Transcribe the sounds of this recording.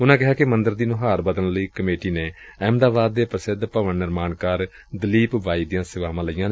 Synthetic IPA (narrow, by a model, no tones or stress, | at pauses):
ʊnãːkɛɦaːkɪmənd̪əɾd̪iːnʊɦaːɾbəd̪ənləiːkəmeːʈiːneːɛːmd̪aːʋaːd̪ːeːpɾəsɪd̪pəʋənnɪɾmaːnkaːɾ | d̪əliːpʋaːiːd̪ijãːsɪʋaːʋãːləijãːnː